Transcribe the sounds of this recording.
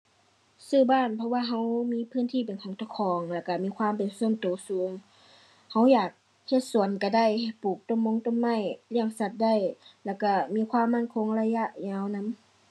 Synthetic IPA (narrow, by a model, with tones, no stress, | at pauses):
sɯː˧˩baː˧˥˨npʰɔ˧waː˧˨ɦa˧˥wmiː˧˥˨pʰɯː˧˥˨nt̪ʰiː˧˩˨pe˨nkʰɔː˨˦ŋt̪ʰa˧˨kʰɔː˨˦ŋlɛː˧˩wka˧˩miː˧˥˧kʰwaː˧˥˨mpe˨nsu˧˥˨nt̪oː˨˦suː˨˦ŋ | ha˧˥wjaː˨˩k̚ | he˧˥t̪̚su˨˦ənka˧˩da˧˩˨jha˧˩puː˨˩k̚t̪o˧˩˨mːo˧˥˨ŋt̪o˧˥˨mːa˧˩˨jli˧˩əŋsa˧˩t̪̚da˧˥˨jlɛː˧˩wka˧˩miː˧˥kʰwaː˧˥˨mːa˧˥˨nkʰo˧˥˨ŋla˧ja˧˥ʔɲaː˧˥˨wna˧˥˨m